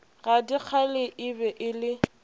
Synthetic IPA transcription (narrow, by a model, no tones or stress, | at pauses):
ɣadik͡xʰalɪʔɪbɛʔɪlɪ